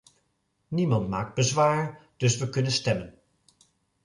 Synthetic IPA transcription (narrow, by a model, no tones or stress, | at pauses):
nimɑntma̰ːk̚d̚bəzʋaːɹd̥ɵsʋəkɵnənstɛmən